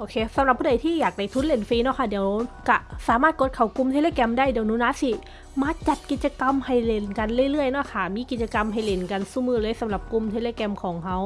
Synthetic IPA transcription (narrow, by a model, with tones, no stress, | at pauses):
ʔoː˧kʰeː˧sa˨˦mɾa˨˩p̚ʰːuː˧˥˩da˨˦jt̪ʰiː˧˥˩jaː˨˩k̚da˧˩jt̪ʰu˧˦˥t̪̚le˧˩nfiː˧nɔ˧˥kʰa˧˩diː˩˦əwka˧˩saː˨˦maː˧˥˩t̪̚ko˧˦t̪̚kʰa˨˩wku˧mt̪ʰe˧leː˧˨kɛ˧mdaː˧˥˩jdiː˨˩˦wnuː˧˥˨naː˧˥si˧˩ | maː˧t͡ɕa˨˩t̪̚ki˨˩t̪̚t͡ɕa˧ka˧mha˨˩jle˧˩nka˧nlɯ˧˩əjlɯ˧˩əjnɔ˧˥˩kʰa˧˩miː˧˥˧ki˨˩t̪̚t͡ɕa˧ka˧mɦa˨˩jle˨˩nka˧˨nsu˧˩mɯː˧˩lɤː˧˥˨jsa˨˦mla˨˩p̚ku˧mt̪ʰe˧leː˧˨kɛ˧mkʰɔː˨˦ŋɦa˧w